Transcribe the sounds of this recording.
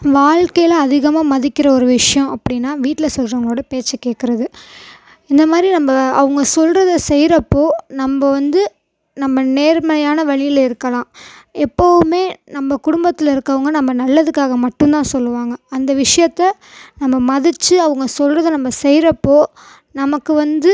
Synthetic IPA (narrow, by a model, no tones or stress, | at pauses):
ʋaːɭkɐjɪlɐɐðɪɣɐmaːmɐðɪkʲːɪɾɐɔɾɯʋɪʂɐjɐ̃ɐpːɐɽɪnːaːʋiːʈːɪlɐsɔlrɐʋɐŋɡɐɭoːɽɐpeːt͡ʃːɯkeːʈkːɪɾɐðɯ | ɪnd̪ɐmaːd̪ɾinɐmbɐɐʋɐŋɡɐsɔlrɐðɐsɛjɾɐpːoːnɐmbɐʋɐnd̪ɯ | nɐmːɐneːɾmɐlɐjaːnɐʋɐɭɪjɪlɐɪɾɯkːɐlãːɛpːɐʋɯmeːnɐmːɐkʊɽʊmbɐt̪ːɪlɪɾɯkːɐʋɐŋɡɐnɐmːɐnɐlːɐðɯkːaːɣɐmɐʈːɯ̃nt̪ãːsɔlːɯʋaːŋɡɐɐnd̪ɐʋɪʂɐjɐt̪ːɐ | nɐmːɐmɐðɪt͡ʃːɯɐʋɐŋɡɐsɔlrɐðɯnɐmːɐsɛjɾɐpːoː | nɐmɐkːɯʋɐnd̪ɯ